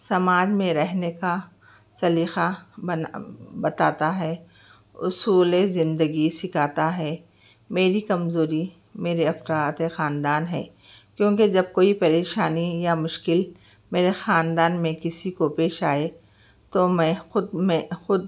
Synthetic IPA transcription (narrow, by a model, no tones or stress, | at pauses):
sɐmaːd͡ʒmẽɾɛɦneka | sɐliːxa | bɐt̪aːt̪aɦɛ | ʊsuːlezɪ̃nd̪əɡisɪkʰaːt̪aɦɛː | meːɾikɐmzoːɾi | meːɾeɐfɾaːt̪exaːnd̪aːnɦɛ̰ː | kjõːked͡ʒɐb̚koːipɐɾeːʃaːnijamʊʃkɪl | meːɾexaːnd̪aːnmẽkɪsikopeːʃaːe | t̪omɛ̃xʊd̪mẽxʊd̪̚